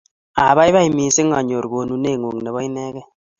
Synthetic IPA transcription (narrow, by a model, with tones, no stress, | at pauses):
a˨βa˦i˦βa˦i˨mi˨sɪ˦ŋa˨ɲo˨ɾɡo˨nu˨ne˦˨ŋo˨ŋnɛ˨bɔ˦i˦nɛ˦ɡɛ˦